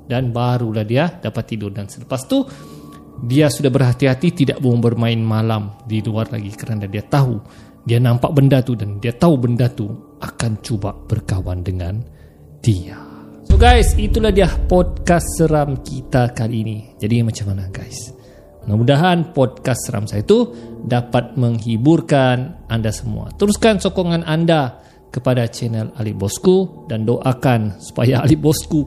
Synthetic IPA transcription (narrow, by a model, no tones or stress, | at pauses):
danbaɾulahdiadapat̪ːidʊrdansələpast̪u | diasudahbərɦat̪iɦat̪it̪ida̰ʔbouŋbərmãɪnmalamdiluarla̰ɡikəɾnadadiat̪aɦu | dianãmpaʔbəndat̪udandiat̪aɦubəndat̪u | akant͡ʃubaʔb̥ərkawandəŋan | d̥ia | soɡajsit̪ulahdiahpɔd̚kasːəɾamkit̪akaliːnid͡ʒadimãt͡ʃamanaɡajs | mənamudaɦanpɔd̚kasːəɾa̰msajat̪udapat̪̚məŋɦiburkanʔandasəmṵa̰t̪əɾuskansɔkɔŋanʔanda | kəpadat͡ʃɛnəlalibɔskudandoʔakansu̥pa̰jaːlibɔsku